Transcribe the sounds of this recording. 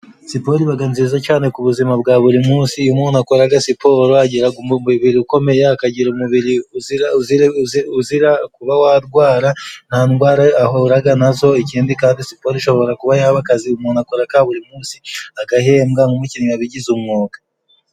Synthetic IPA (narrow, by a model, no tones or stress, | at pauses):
sipo̞ɾiβaɡanzizacaːne̞kuβuzimabɡaːβuɾimuːsiumuːnakoɾaɡasipo̞ːɾoaɟiɾaɡomiβiɾiuko̞me̞jaːkaɟiɾumuβiɾiuziauziuziɾakuβawaɾɡwaːɾan̥hanɡwaːɾaahoɾaɡanazo̞iciːndikaːndisipo̞ɾiʃo̞βo̞ɾakuβajaːβakaziumuːnakoɾakaβuɾimuːsiakahe̞ːmɡaŋɡumiciniaβiɟizumŋoːɡḁ